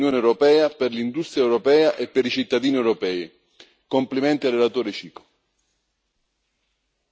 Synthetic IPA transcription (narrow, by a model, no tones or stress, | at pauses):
joːneɛwɾɔpɛːaperlind̪ust̪ɾjaɛwɾopɛːaʔepːeɾit͡ʃit̪ːad̪iːniewɾɔpɛːi | komplimɛnt̪iarːelat̪oːɾet͡ʃiːko̥